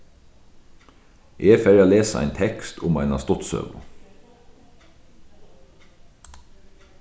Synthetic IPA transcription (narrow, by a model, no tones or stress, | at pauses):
ʔeːfɛɾaːleːsaæ̰ɪnt̪ʰɛkst̪ʰʊmæɪnɑ̰st̪ʊt̪sø̰ːʋʊ̰